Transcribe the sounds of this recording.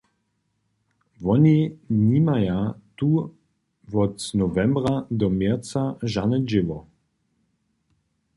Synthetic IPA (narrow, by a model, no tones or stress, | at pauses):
vɔniniːmajat̪u | vɔt̪snɔvɛmbʁad̪ɔmjɛt͡saʒanəd͡ʒɪvɔ